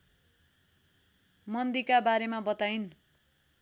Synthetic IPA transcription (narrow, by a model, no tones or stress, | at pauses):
mʌnd̪ikabaɾemabʌt̪ajn